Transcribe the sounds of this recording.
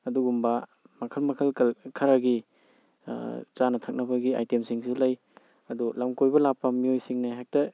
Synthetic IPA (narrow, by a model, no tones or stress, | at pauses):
ɐduɡumbɐ | mɐkʰɐlmɐkʰɐlkɐlkʰɐɾaɡḭ | t͡ʃanɐtʰak̚nɐbɐɡia̰jtemsiŋsulaj | ɐdulamkojbɐlapːɐmiojsiŋnaɦak̚tɐ